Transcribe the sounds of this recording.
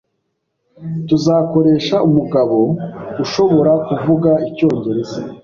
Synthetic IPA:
tuzaːko̞ɾe̞ːʃaumuɡaβo̞uʃo̞βo̞ɾakuvuɡaico̞ːɲɟe̞ɾe̞za

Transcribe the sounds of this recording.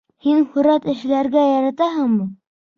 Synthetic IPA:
hinhɵ̆ɾæt̪ɘ̆ʃlæɾɡæjæɾæt̪æɦɤŋmu

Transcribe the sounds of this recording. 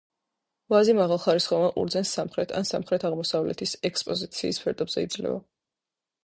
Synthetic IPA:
vazimaʁalˠχaɾisχɔvaʔṵɾd̪zɛnsːamχɾɛt̪ʰa̰nsamχɾɛt̪ʰaʁmɔsavlɛ̰t̪ʰisɛkspʼɔzit̪sʰiːspʰɛɾt̪ʼɛbzɛid̪zlɛ̰va̰

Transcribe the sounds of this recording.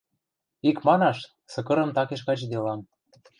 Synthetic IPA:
ikmɑnɑʃ | sɤ̆kɤ̆ɾɤ̆mt̪ɑkeʃ̬kɑt͡ɕd̪elɑm

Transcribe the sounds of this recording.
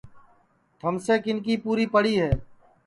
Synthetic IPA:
t̪ʰəmseːkɪnkiːpuːɾiːpəɽiːɦɛː

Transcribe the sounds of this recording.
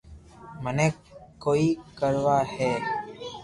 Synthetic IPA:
mənek̚kːoːikəɾwaːheː

